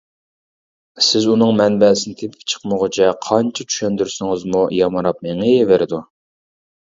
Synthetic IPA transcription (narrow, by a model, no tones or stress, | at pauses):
sɪzunɨŋmɛnbɛsɪnɪt̪ʰepʰɪ̥pt͡ʃʰə̥qməʁʊt͡ʃʰɛqʰɑnt͡ʃʰɑt͡ʃʰy̥ʃɛnd̪yɾsɪŋɪzmujɑmɑɾɑp̚meŋɪeveɾɪd̪u